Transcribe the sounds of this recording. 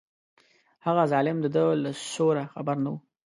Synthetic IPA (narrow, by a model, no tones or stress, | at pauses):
haɣazɑlɪmd̪əd̪əlaʃoɾaxabaɾnawu